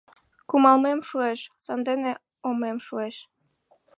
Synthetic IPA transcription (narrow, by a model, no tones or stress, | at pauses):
kumɑlmemʃueʃsɑnd̪ene | omemʃueʃ